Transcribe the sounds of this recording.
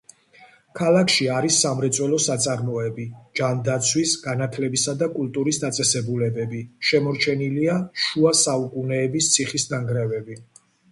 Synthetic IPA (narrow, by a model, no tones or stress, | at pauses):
kʰalˠakʰʃiaɾisːamɾɛt̪sʼwɛlɔsat̪sʼaɾmɔɛbid͡ʒand̪at̪sʰwisɡ̥anat̪ʰlɛbisad̪akʼulˠt̪ʼuɾisd̪at̪sʼɛsɛbulɛbɛbiʃɛmɔɾt͡ʃʰɛniliaʃuasaukʼunɛːbist̪sʰiχisd̪aŋɡɾɛvɛbi